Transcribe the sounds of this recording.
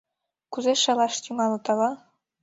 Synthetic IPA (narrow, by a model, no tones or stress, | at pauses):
kuzeʃɑlɑʃt̪ʲyŋɑlɤ̆t̪ɑlɑ